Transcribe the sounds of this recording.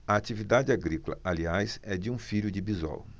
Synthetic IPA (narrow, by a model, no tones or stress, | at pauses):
ɐat͡ʃivid̪ad͡ʒɪaɡɾikolɐ̰ʔaliajsɛd͡ʒɪũfiʎʊd͡ʒɪbizɔ̰w